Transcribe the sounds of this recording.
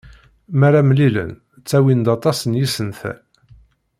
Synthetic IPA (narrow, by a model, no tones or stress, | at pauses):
maɾamlilə̰n | t͡sːæwind̪ɑt̪ˤɑsənjisənθæ̰